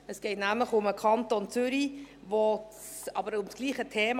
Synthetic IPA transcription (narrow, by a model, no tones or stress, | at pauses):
əsɡ̥ɛɪtnæmləχʊməkʰɑntont͡sʏɾi | vo | ɑbəɾʊmsɡ̥liːχətʰeːm